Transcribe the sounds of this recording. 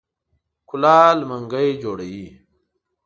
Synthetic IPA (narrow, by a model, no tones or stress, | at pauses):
kʰulaːlmɐŋɡəjd͡ʑoːɽɐji